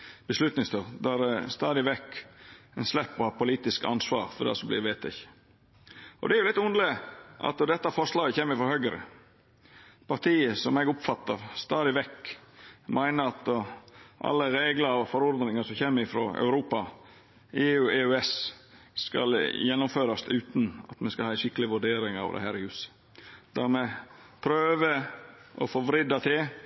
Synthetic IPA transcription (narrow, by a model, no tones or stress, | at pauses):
b̥əslʉt̪nɪŋst̪ʰøːʁd̪æɾst̪ɑːd̪ɪʋɛkːɛnslɛpːɔhɑːpʊliːt̪ɪskɑ̰nsʋɑːɾfɔd̪æ̰sɔmblɪɾʋeːt̪ɛ̰ç | ʔɔ̰d̪ɛæɾjʊlɪt̪ːʊnd̪əlɪʔɑ̰t̪ɔd̪ɛt̪ːəfɔɾʂɭɑːɡəçeːməɾɪfɔɾhœɡəɾə̰ | pʰɑɾt̪ʰiːəsɔmɛɡʊpfɑt̪ːɑʋst̪ɑːd̪ɪʋɛkː | mʔæɪnəɾɑt̪ | ʔɑ̰lːəɾeːɡləɾɔfɔɾɔɾd̪nɪŋɑsɔmçeːmːəɾɪfɾo̰ːœ̰ʉɾuːpɑ | eːʉeːʉɛs | skɑ̰ljɛnːʊmføːɾɑsʉːt̪n̩ɑ̰t̪mɛskɑlɑːɪnʂɪkːəlɪʋʉɖeːɾɪŋɑ̰ʋd̪ɛ̰hæːɾhʉːsə̥ | d̪̥æɾmɛpʰɾøːʋəʔɔ̰foːʋɾɪd̪ɑt̪ʰe